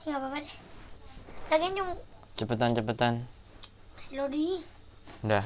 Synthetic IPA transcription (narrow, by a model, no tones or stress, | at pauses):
iŋababade | daɡeɲuŋt͡ʃəpət̪ant͡ʃəpət̪an | silodi | nda